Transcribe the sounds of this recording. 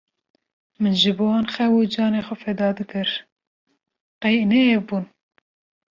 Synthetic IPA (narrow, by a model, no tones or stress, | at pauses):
mɨnʒɨbowɑːnxɛwud͡ʒɑːneːxʷɛfɛd̪ɑːd̪ɨkɨɾ | qɛjneebuːn